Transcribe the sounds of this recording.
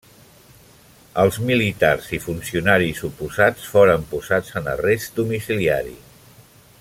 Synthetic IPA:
əlˠzmilit̪arzifunsiunaɾisupuzat͡sfoɾəmpuzad͡zənə̰resd̪umisilia̰ɾḭ

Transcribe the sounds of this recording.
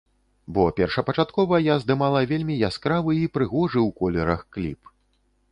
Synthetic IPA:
bɔpʲɛrʂɐpɐt͡ʂat̪kɔvɐjazd̪ɨmalˠɐvʲelʲmʲijaskɾavɨipɾɨɣɔʐɨwkɔlʲɛɾɐxklʲḭp

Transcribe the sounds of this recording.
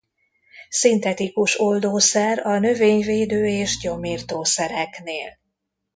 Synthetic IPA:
sint̪ɛt̪ikuʃo̞ld̪oːsɛɾɒnø̞veːɲveːd̪øːeːʒɟo̞miːrt̪oːsɛɾɛkneːl

